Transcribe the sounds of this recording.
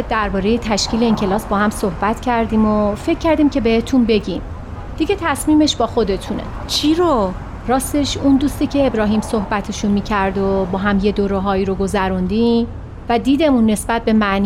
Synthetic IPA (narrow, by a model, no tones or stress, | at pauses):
d̪æɾbɒːɾeje̞t̪ʰæʃkcʰiːleiŋcʰe̞lɒːsbɒːhæmsohbæt̪ʰcʰæɾd̪iːmofe̞cʰːæɾd̪iːmcʰe̞be̞het̪ʰunbe̞ɟiːm | d̪̥iɟe̞t̪ʰæsmiːme̞ʃb̥ɒːxo̞d̪e̞t̪ʰunḛ | t͡ʃʰiɾo | ɾɒːst̪eʃund̪uːst̪iːcʰeːbɾɒːɦiːmsohbæt̪ʰeʃunmiːcʰæɾd̪obɒːɦæmje̞d̪oɾoɦɒːiːɾoɡo̞zæɾund̪i | væd̪iːd̪e̞munːe̞sbæt̪̚be̞mæʔni